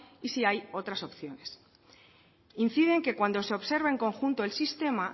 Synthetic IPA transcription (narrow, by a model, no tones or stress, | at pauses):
isiajo̞t̪ɾaso̞pθjo̞ne̞s | in̟θiðe̞ŋke̞kwand̪o̞seo̞βse̞ɾβeeŋkõ̞ŋxunt̪oelsist̪e̞ma